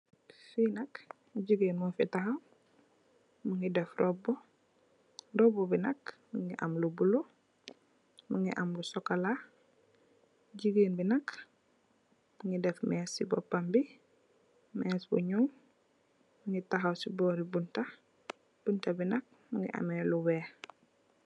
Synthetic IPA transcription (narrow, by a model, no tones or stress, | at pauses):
finɐk | ɟiɡeːnmufitaxaw | muŋɡidɛfrɔbɔ | dɔbɔbinɐkmuŋɡiʔa̰mlubulo | muŋɡḭʔamlusɔkala | ɟiɡeːnbinɐk | muŋɡidɛfmɛːsːibɔ̰pːambi | mɛːsbṵɲuŋ | muŋɡitaɦawsibɔːɾibunta | b̥untabinɐk̚ | muŋɡḭʔa̰mɛluwɛː